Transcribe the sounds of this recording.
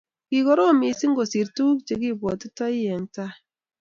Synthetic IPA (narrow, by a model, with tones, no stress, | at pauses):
ki˨kɔ˦ɾo˦˨mi˨˦si˦ŋɡo˨si˨ɾtu˦kt͡ʃe˨ki˦˨bwɔ˨ti˦ta˦i˦jɛ˨n˦ta˦